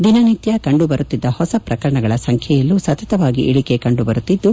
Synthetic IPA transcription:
d̪inɐnit̪jɐkɐɳɖubɐɾut̪ːid̪ːɐhɔsɐpɾɐkɐɾɐɳɐɡɐɭɐsɐŋkʰjɛjɐlːusɐt̪ɐt̪ɐʋaːɡḭʔiɭikekɐɳɖubɐɾut̪ːid̪ːu

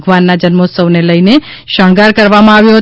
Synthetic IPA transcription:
ɡʋanːad͡ʒənmosəʋneləine | ʃəɳ̃ɡaɾkəɾʋamãaʋjoɦə

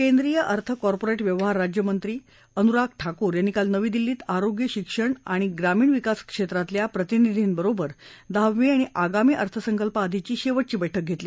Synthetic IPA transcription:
kend̪ɾijəʔəɾt̪ʰəkɔɾpoɾeʈʋjəʋɦaɾːad͡ʑjəmənt̪ɾiː | ənuɾakʰʈʰakuːɾjanːikalnəʋiːd̪ilːiːt̪aɾoɡjəɕikʂəɳaɽ̃iɡɾamiːɳʋikaskʂet̪ɾat̪ljapɾət̪inid̪ʱiːnbəɾobəɾd̪aʋʋiaɽ̃iʔaɡamiːʔəɾt̪ʰəsəŋkəlpəaːd̪ʱit͡ɕiːɕeʋəʈ̚t͡ɕiːbəjʈʰək̚ɡʱet̪liː

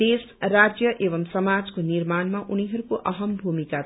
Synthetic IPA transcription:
es | rad͡zjʌʔebʌmsʌmad͡zkonirmanmaʔuniɦʌɾukoʔʌɦʌmbʱumika

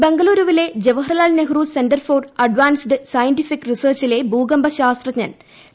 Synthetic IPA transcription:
be̞ŋɡɐluːɾuʋile̞d͡ʑeʋɐɦrɐlaːlneɦruːsenɖɐrfoːrɐɖʋaːnsɖɨsɐjɐnʈifikːrisɐːrt͡ɕile̞bʱuːɡɐmbɐɕaːst̪rɐɲɐn

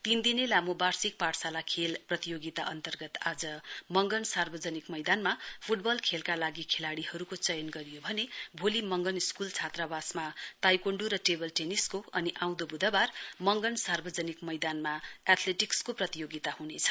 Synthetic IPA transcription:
t̪ind̪inelamobarsik̚paʈsalakʰelprʌt̪ijoɡit̪a̰ʔʌnt̪ʌrɡʌt̪ad͡zʌmʌŋɡʌnsarbʌd͡zʌnikmʌjd̪anmapʰuʈ̚bʌlkʰelkalaɡikʰelaɽiʌɾukot͡sʌjʌnɡʌɾijobʱʌnebʱolimʌŋɡʌniskult͡sʰat̪rabasmat̪ajkoɳɖuɾʌʈebʌlʈeniskoʌniʔãw̃d̪obud̪ʱʌbarmʌŋɡʌnsarbʌd͡zʌnikmʌjd̪anmaat̪ʰleʈikskoprʌt̪ijoɡit̪ahunet͡sʰʌ̥

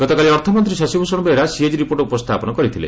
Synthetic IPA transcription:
ɡ̥ɔt̪ɔkaliɔɾt̪ʰɔmɔnt̪ɾisɔsibʱusɔɽ̃beːɾasied͡ʒɾipoɾʈupɔst̪ʰapɔnɔkɔɾit̪ʰilḛ

